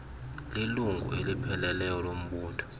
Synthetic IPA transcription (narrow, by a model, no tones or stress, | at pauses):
liluŋɡʱṵelipʰɛlɛlɛjɔlom̩ɓuːtʰɔ̥